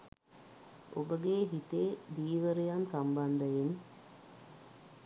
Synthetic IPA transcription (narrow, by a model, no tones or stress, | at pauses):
obəɡeɦit̪eːd̪iːʋəɾejansamband̪əjen